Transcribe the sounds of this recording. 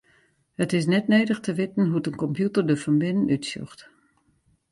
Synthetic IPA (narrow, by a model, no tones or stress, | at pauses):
hətɪs̬nɛtneːdəxtəʋɪtən̩ɦuətənkɔmpjutərdəfɔnbɪnənytsjɔ̰xt